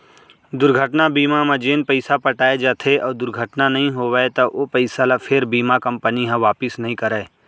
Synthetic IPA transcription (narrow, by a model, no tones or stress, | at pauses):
d̪ʊɾɡʱəʈnabiːmamɐ̃d͡ʒeːnpəɪsapɐʈaːed͡ʒaːt̪ʰeʔɔːɾd̪ʊɾɡʱəʈnanɐɦĩɦoːʋɛet̪ɐʔopɐɪsalapʰɪɾbiːmakɐ̃mpəniɦãʋaːpɪsnɐɦĩkɐɾɛː